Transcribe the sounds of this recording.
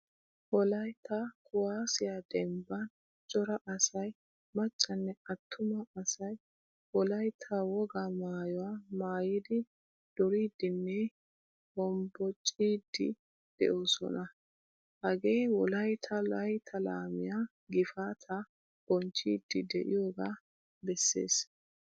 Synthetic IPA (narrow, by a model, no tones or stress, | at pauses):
wɔlɐjt̪ʰːɐkʰʊwaːsɪjad̪ɛmbɐn | t͡ʃʼɔɾɐʔɐsɐj | mɐt͡ʃʼːɐnːɛɐt̪ʰːʊmɐːsɐj | wɔlɐjt̪ʰːɐwɔɡamaːjɔwaːmaːjiːd̪ɪ | d̪̥ɔɾiːd̪ɪnːɛ | hɔmbɔt͡ʃʼːiːd̪ːɪ̰ | d̪̥ɛ̰ʔo̞ːsɔ̰nɐ | hɐɡe̞ːwɔlɐjt̪ʰɐlɐjt̪ʰɐla̰ːmɪjaː | ɡɪfaːt̪ʰɐ | b̥ɔnt͡ʃːiːd̪ːɪd̪ɛ̰ʔɪjoːɡaː | bɛsːe̞̰ːs